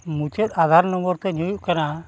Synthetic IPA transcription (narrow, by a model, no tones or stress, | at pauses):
mut͡ʃɛt̪̚ˀad̪ʱaɾnɔmɔɾt̪ɛniujuʔkana